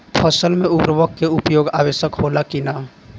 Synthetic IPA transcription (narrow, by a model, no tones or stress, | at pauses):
pʰəsəlmẽʊbɾəʋəkkːeʊpjoːɡa̰ːʋeːʃəkɦoːlakinaː